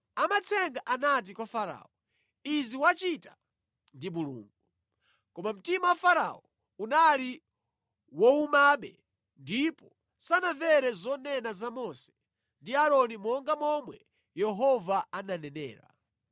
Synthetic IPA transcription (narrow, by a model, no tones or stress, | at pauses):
amat͡sʰɛŋɡaʔanat̬ikwafaɾa̰ːɔ | iziwat͡ʃita | ndimulṵːŋɡu | kɔmam̩timawafaɾa̰ɔ | unali | wɔumaɓɛ̰ | ndipɔ | sanaɱvɛɾɛzɔnɛnazamɔsɛ̥ | ndiaɾɔnimɔŋɡamɔmwɛ | jɛɦɔvaananɛnɛ̰ːɾa̰